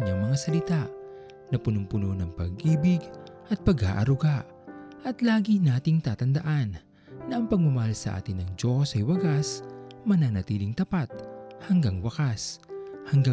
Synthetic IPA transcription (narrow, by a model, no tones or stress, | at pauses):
ɲaŋmɐŋasɐlɪt̪a | nɐpʊnʊmpʊnonɐŋpɐ̰ɡʔiːbɪɡ | ʔɐt̪̚pɐɡha̰ːʔɐɾʊɡaʔ | ʔɐt̪laːɡinaːt̪ɪŋt̪aːt̪ɐnd̪ɐʔanː | ɐʔɐŋpɐɡ̚mɐmɐhalsɐʔa̰ːt̪ɪnːɐŋd͡ʒo̞sɐjwɐɡasmɐnanɐt̪iːlɪŋt̪ɐpat̪̚hɐŋɡaŋwɐkashɐŋɡa